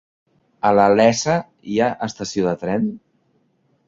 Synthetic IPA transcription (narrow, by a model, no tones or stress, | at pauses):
ələlɛsə | iaʔəst̪əsioðət̪ɾɛn